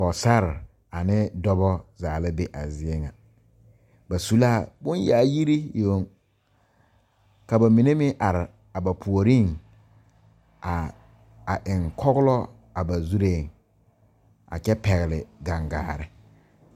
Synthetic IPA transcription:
bɔ˨sa˦ɾɪ˨ | a˨nɪ˦dɔ˦bɔ˦zaː˨lɪ˦be˦ʔa˨zɪ˦e˦ŋa˨ | ba˨su˦laː˦˨bʊ˦n˦jaː˨˦ji˦ɾi˦jo˨˦ŋ | ka˨ba˨mi˨ne˦mɪ˦ʔa˨ɾɪ˨ | a˨ba˨pʰu˨o˨ɾi˦ŋ | a˨ | a˨ʔɪ˨ŋkʰɔ˦ɣʊ˦lɔ˦ | a˨ba˨zu˦ɾe˦˨ŋ | a̰˨kɛ˦pɛ˨ɣɪ˨lɪ˨ɡa˨ŋɡa̰ː˨ɾɪ˦

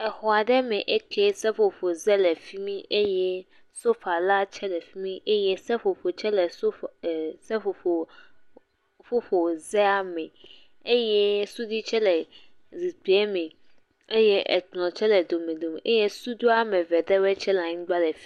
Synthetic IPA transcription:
ɛ˨xɔ˨a˨ɖɛ˦mɛ̃˨ʔɛ˦kʰe˦sɛ˦ɸo˨ɸo˨zɛ˦lɛ˨fi˦mĩ˦ʔe˦jɛ˦ | so˦ɸa˨la˦t͡ʃʰɛ˦lɛ˨fi˦mĩ˦ʔe˦jɛ˦sɛ˦ɸo˨ɸo˨t͡ʃʰɛ˦lɛ˨so˦˨sɛ˦ɸo˨o˨ | fo˦ɸo˨zɛ˦a˨mɛ̃˨ | e˦jɛ˦su˦d̪i˦t͡ʃʰɛ˦lɛ˨ | zi˨t̪i˨ɛ˦mɛ̃˨ | e˦jɛ˦ʔɛ̰˨tlɔ̃˨t͡ʃʰɛ˦lɛ˨d̪o˨mẽ˨d̪o˨me˨ʔe˦jɛ˦su˦d̪u˦a˦mɛ̃˨vɛ˨d̪ɛ˦wɛ˦t͡ʃʰɛ˦la˨ɲĩ˦ɡ͡ba˦lɛ˨fi̥˦

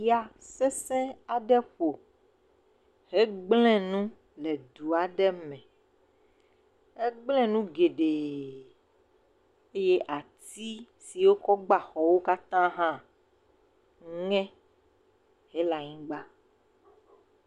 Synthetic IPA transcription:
ja˨sɛ˦sɛ̃˦a˨ɖɛ˦ɸo˨ | ɦe˦ɡ͡blɛ̃˦nũ˦ | lɛ˨d̪u˨a˨ɖɛ˦mɛ̃˨ | e˦ɡ͡blɛ̃˦nũ˦ɡe˨ɖe˨ | e˦je˦ʔa˨t̪i˦ | si˨wo˦kɔ˦ɡ͡ba˨xɔ˨wo˦ka˦t̪ã˦ɦã˦ | ŋ˦ŋɛ̃˦ | ɦe˦la˨ɲĩ˦ɡ͡ba˦

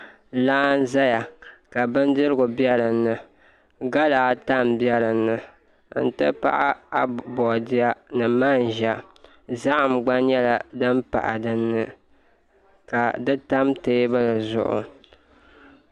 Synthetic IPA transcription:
laː˦n̩˦za˦ja˨ka˨bɨ˦n˦dɨ˦ɾɨ˦ɡʊ˨bjɛ˦ɾɨ˨nːɨ˨ | ɡa˦laː˨˦ta˦˨mbjɛ˦ɾɨ˨nːɨ˨ | n̩˨tɨ˦pa̰˦ʔa˦a˦bɔ˨dɪ˦a˦nɨ˨ma˦n˨ʒa˨ | za˦ʔa˨mɡ͡ba˦ɲɛ˦la˨dɨ˦mpa̰˨ʔa̰˨dɨ˦nːɨ˦ | ka˨dɨ˦ta˦mte˦ba˦lɨ˨zʊ̰˦ʔʊ̰˨

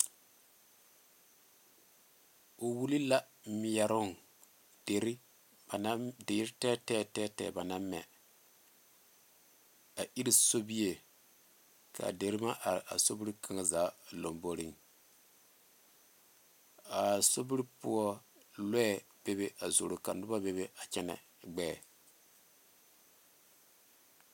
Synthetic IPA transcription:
o˨wu˦li˦la˦ | mi˨jɛ˨ɾʊ˦ŋ˨ | d̥e˨ɾi˦ | ba˨na˦de˨˦ɾi˦tɛː˦tɛː˦tɛ˦tɛ̰ː˨ba˨na˦mːɛ̰˨ | a˨ʔi˦ɾi˦so˦bi˦je˨ | kʰa̰˨de˨˦ɾi˦ma˦ʔa˨ɾa̰˨so˦bi˦ɾi˦kʰa˨ŋa˦zaː˨˦lo˨mbo˦ɾi˦ŋ | a˨so˦bi˦ɾi˦pu˦ɔ˦ | lɛ˦ɛ˨ | b̥e˦be˦ʔa˨zo˨ɾo˨ka̰˨nʊ˦ba˦be˦be˦a˨t͡ʃɛ˦nɛ̰˨ɡ͡bɛː˦˨

